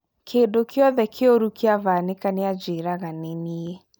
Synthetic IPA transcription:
kʰeːndokeɔðɛkʰeoɾukeavaːnekanead͡ʒeɾaɣanenie

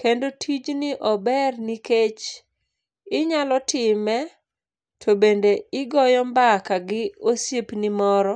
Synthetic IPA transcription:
kendotʰid͡ʒnɪʔɔbɛrniket͡ʃ | ɪɲalɔtɪmɛ | tʰobendeɪɡɔjɔmbakaɡɪosipnɪmɔɾɔ

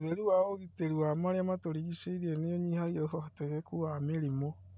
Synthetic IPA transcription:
ðeɾuwaoɣiteɾuamaɾeamatoɾiɣiseiɾieneoɲihaioɦɔteɣekuameɾimo

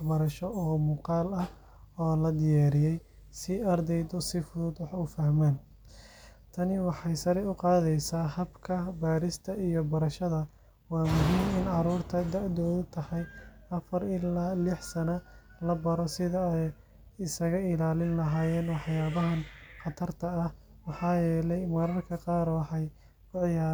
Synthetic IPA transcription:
wħbɐɾɐʃɔʔɔːmuːqɑːlɐh | ɔːlɐd̪ɪjaːɾɪjɛj | sɪɐrd̪ɛjd̪ɔsɪfʊðuːd̪wɑħʊfɐhmaːn | t̪ʰɐnɪwɑħɑjsɐɾɛʊqɑːðɛjsaːhɐbkʰɐbaːɾɪst̪ʰɐʔijɔbɐɾɐʃɐðɐ | wɑːmʊɦiːnɪnʕɑɾuːrt̪ʰɐd̪ɐʕd̪ɔːðʊt̪ʰɐhɑj | ɐfɐɾɪlaːlɪħsɐnɐ | lɐbɐɾɔsɪðɐɛj | ɪsɐɣɐɪlaːlɪnlɐɦaːjɛːnɔwɑħjaːβɐɦɐnqɑt̪ʰɐrt̪ʰɐːh | wɑħɑːjɛːlɛjmɐɾɐrkʰɐqɑːɾwɑħɑj | ʊʕɪjaː

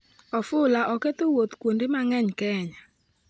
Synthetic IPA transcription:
ɔfʊlaʔɔket̪owot̪kwondemaŋɛɲkɛɲa

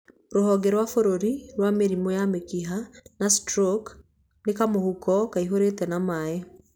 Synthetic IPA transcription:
ɾoɦɔɡɛɾwafoɾoɾiɾwameɾimɔjamekiɦanastɾok | nekamohukɔkaiɦoɾetɛnamae

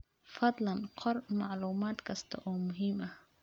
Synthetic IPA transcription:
fɐd̪lɐnqʰɔrmɑʕluːmaːd̪kʰɐst̪ʰɐ̰ʔɔːmʊɦiːmʔɐh

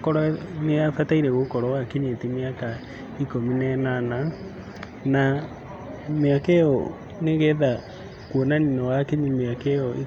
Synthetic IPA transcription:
kɔɾɔneafataiɾɛɣokɔɾɔwakeɲetimeaka | ikominɛnana | na | meakɛɔ | neɣɛða | kwɔnaninɔwakeɲimeakɛɔe

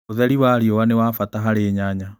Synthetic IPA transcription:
oðɛɾiwaɾjɔwanewafataɦaɾeɲaɲa

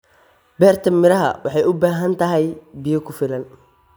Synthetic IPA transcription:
bɛːrt̪ʰɐmɪɾɐɦɐ̰wɑħɑjʊbaːɦɐnt̪ʰɐɦɛjbɪjɐkʰʊfɪlɐn

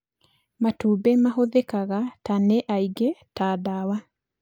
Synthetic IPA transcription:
matubemaɦoðekaɣataneʔaiɡetaːdawa

